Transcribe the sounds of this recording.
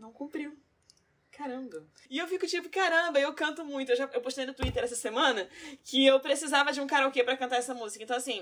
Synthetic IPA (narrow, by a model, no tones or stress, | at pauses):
nɐ̃w̃kũpɾiw | kaɾɐ̃bɐ | ɪewfikʊt͡ʃipʊkaɾɐ̃mbɐewkɐ̃nt̪ʊmũj̃t̪ʊewʒaewpoʃt̪ejnʊt̪uit̪eɾɛsɐsemɐ̃nɐkɪewpɾesizavɐd͡ʒɪũkaɾɐokepɾɐkɐ̃nt̪aɾɛsɐmuzikɐ̃ẽt̪ɐ̃w̃asĩ